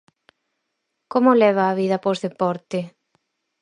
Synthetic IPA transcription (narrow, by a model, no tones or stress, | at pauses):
komolɛβaːβiðɐposðepɔɾt̪ɪ